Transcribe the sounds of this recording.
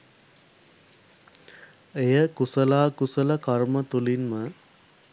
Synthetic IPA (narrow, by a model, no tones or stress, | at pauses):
ejəkusəlaːkusələkarmət̪ulinmə